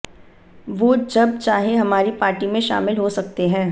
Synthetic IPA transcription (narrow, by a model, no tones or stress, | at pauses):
ʋoːd͡ʒɐb̚t͡ʃaːɦẽɦɐmaːɾipaːɾʈimẽʃa̰ːmɪlɦosɐk̚t̪eɦɛ̃ː